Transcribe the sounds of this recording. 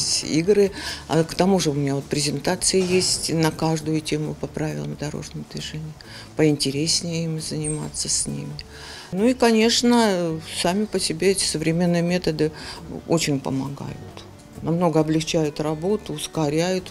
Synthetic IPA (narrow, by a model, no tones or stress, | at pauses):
ḭɡɾɨakt̪ɐmuʐɨʊmʲɪnʲao̞t̪pɾʲɪzʲɪnt̪at̪sɨjəjesʲtʲnəkaʐd̪ʊjʊtʲemʊ̰pɐpɾavʲɪ̰lˠəmd̪ɐɾo̞̰ʐnəməd̪vʲɪʐenʲɪjə | pəɪnʲtʲɪɾʲesʲnʲɪjəimzənʲɪma̰t̪sːəsʲnʲḭmʲɪ | nuikɐnʲe̞ʂnəsamʲɪpəsʲɪbʲeɛtʲɪ̥səvɾʲɪmʲe̞nːɨjəmʲe̞t̪əd̪ɨo̞t͡ɕɪnʲpə̰mɐ̰ɡa̰jʊ̰t̪ | nɐmno̞ɡəɐblʲɪxt͡ɕæjʊt̪rɐbo̞t̪ʊːskɐɾʲæjʊt̪